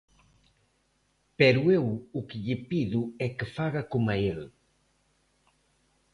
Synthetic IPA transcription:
peɾuewukiʎipiðuekəfaɣakumael

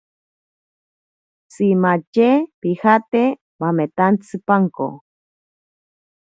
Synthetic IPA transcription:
t͡simat͡ʃepihat̪e | bamet̪ant͡sʰɨpaŋko̰

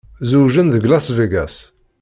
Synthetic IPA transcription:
zuwʒənðəɡlæsviɡæs

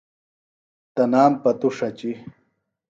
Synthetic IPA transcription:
t̪ɐnaːmpɐt̪uʂɐt͡ɕi

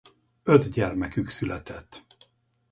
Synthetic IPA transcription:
ød̪ɟɛrmɛkyksylɛt̪ɛt̪ː

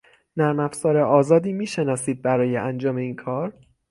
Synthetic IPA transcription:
næɾmæfzɒːɾeʔɒːzɒːd̪iːmiːʃe̞nɒːsiːd̪̚bæɾɒːjeʔænd͡ʒɒːme̞iːnkʰɒːɾ

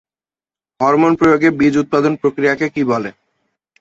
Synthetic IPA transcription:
ɦɔɾmonpɾojoɡebid͡ʑut̪̚pad̪onpɾokɾijakekibɔle

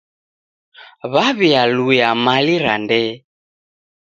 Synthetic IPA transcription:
βaβialujamaliɾa̰ndɛ

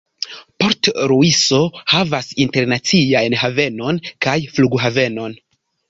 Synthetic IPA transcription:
po̞ɾtɾuiso̞havasinte̞ɾnat͡siajnhave̞no̞nkajfluɡɦave̞no̞n

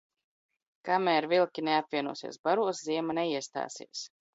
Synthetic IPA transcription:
kamɛːɾvilˠkʲineapvʲiɛnṵːsḭːsbaɾuɔsziɛmanɛiɛst̪a̰ːsḭɛs

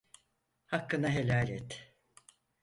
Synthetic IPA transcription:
hakːɯnaɦelʲaːlʲɛt̪

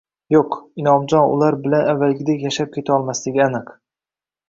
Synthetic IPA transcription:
joqɪnɒmd͡ʒɒnʊ̰laɾbɪlanavːalɡʲɪd̪ekʲjaʃap̚kʲe̞t̪ʰaɒlˠmaslɪɡʲɪanɨq

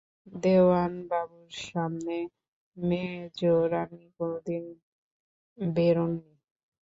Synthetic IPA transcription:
d̪ewanbabuɾʃamne | med͡ʑoɾanikod̪in | beɾonːi

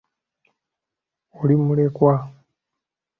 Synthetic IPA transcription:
olimulekwa

